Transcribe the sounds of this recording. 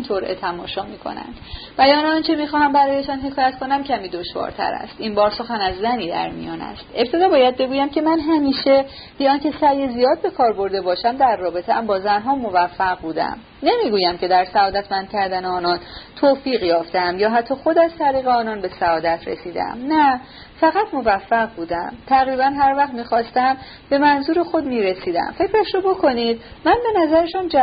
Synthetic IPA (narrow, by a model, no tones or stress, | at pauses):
int̪ʰoɾḛt̪ʰæmɒ̰ːʃɒːmiːkʰo̰næ̰nd̪ | b̥æjɒːneɒnt͡ʃʰe̞miːxɒːhæmbæɾɒːje̞ʃɒːnɦe̞kʰɒːjæt̪kʰo̞næmcʰæmiːd̪o̞ʃvɒ̰ːɾt̪ʰæ̰ɾæ̰st̪inbɒːɾso̞xænæzːæniːd̪æ̰ɾmḭjɒːnæ̰st̪e̞p̚t̪ʰe̞d̪ɒːbɒːjæd̪̚be̞ɡuːjæmcʰe̞mænɦæmiːʃe̞ | b̥eɒːncʰe̞sæjezijɒːd̪̚be̞kʰɒːɾbo̞ɾd̪e̞bɒːʃæmd̪æɾːɒːbe̞t̪ʰeæmbɒːzænɦɒːmovæfːæɣbuːd̪æ̰m | ne̞miːɡuːjæmcʰe̞d̪æɾsæɒːd̪æt̪ʰmænd̪̥̚kcʰæɾd̪æneɒːnɒnt̪ʰoːfiːɣjɒːft̪eæmjɒːɦæt̪ʰːɒːxo̞d̪æzt̪ʰæɾiːɣeɒːnɒːnbe̞sæɒːd̪æt̪ʰɾḛsiːd̪ḛæ̰mnæ | fæɣæt̪ʰmo̞væfːæʁbuːd̪æmt̪ʰæɣɾiːbænɦæɾvæχt̪miːxɒːst̪æm | b̥e̞mænzuːɾexo̞d̪miːɾe̞siːd̪æ̰mfe̞cʰɾæʃɾobo̞kʰo̞niːd̪̚mænbe̞næzæɾeʃund͡ʒæ